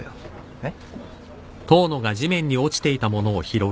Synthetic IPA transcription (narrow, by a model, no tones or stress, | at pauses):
t̪o̞ːno̞ɡaʑimẽ̞ɲ̟ːio̞t͡ɕi̥t̪e̞it̪amo̞no̞ːçiɾo̞